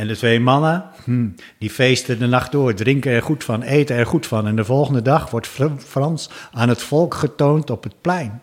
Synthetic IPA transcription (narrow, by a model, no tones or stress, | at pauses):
ɛndətʋejmɑnə | h̩ | difejstədənɑχtdʊːɹdrɪŋkəɛɹχutfɑnejtəɛɹχutfɑnɛndəvɔlˠχəndədɑχʋɔɹtfrɑnsaːnɦətfɔlˠkχətowntɔpət̚plɛjn